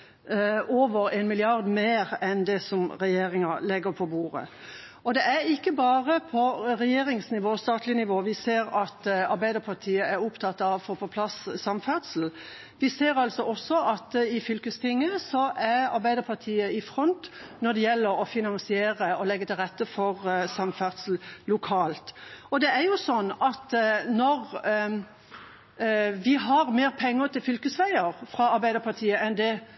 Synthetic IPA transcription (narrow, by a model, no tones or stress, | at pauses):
ʔoːʋəɾenmɪlɪɑʁd̪meːɾɛnd̪ɛsɔmɾɛjeːɾɪŋɑlɛɡəɾpʰɔbuːɾə̰ | ɔd̪ɛʔæɾɪkːəbɑːʁəpʰɔɾɛjeːɾɪŋsnɪʋoːst̪ɑːt̪ʰlɪnɪʋoːʋɪseːɾɑt̪ɑɾbæɪd̪əɾpʰɑʁt̪ʰiːəæɾʊpt̪ʰɑt̪ːɑʋfɔpʰɔpʰlɑsːɑmfæʁt̪sl̩ | ʋɪseːɾɑlsɔʔɔsːɔʔɑt̪ɪfʏlkəst̪ʰɪŋːəsɔʔæʁɑ̰ɾbæɪd̪əɾpʰɑʁt̪ʰiːəɪfɾɔnt̪nɔd̪ɛjɛlːəɾɔfɪnɑnsɪeːʁəɔlɛɡːət̪ʰɪlʁɛt̪ːəfɔʁsɑmfæʁd̪sl̩lʊkʰɑːlt̪ɔd̪ɛæɾjʊsɔnːɑt̪nɔʁ | ʋɪɦɑʁmeːʁpʰɛŋːət̪ʰɪlfʏlkəsʋæɪəɾfɾɑɑɾbæɪd̪əpɑt̪ʰiːəɛnd̪ɛ